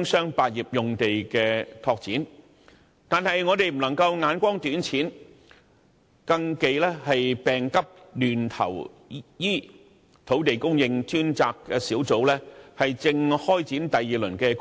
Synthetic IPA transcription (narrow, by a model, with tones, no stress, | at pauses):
ŋsœː˥ŋpaː˨˧t̚jiː˨p̚jʊ˨ŋt̪e˨jkɛː˧t̪ʰɔː˧k̚t͡siː˨˥n | t̪aː˨nɦɐ˨jŋɔː˨˧t̪e˨jm̩˨˩nɐ˨˩ŋkɐ˧wŋaː˨˧nkʷɔː˥ŋt̪yː˨˥nt͡sʰiː˨˥n | kɐ˧ŋke˨jlɛː˥hɐ˨jpɛː˨˩ŋkɐ˥p̚ | lyː˨˩nt̪ʰɐ̰˨˩w | jiː˥ | t̪ʰo˨˥wt̪̬e˨jkʊ˥ŋjɪ˧ŋt͡ʃyː˥nt͡saː˨˧kːɛː˧siː˨˥wt͡so˨˥wlɛː˥hɐ˨jt͡sɪ˧ŋhɔː˥jt͡siː˨˥nt̪ɐ˨jːiː˨lɵ˨˩nkɛː˧k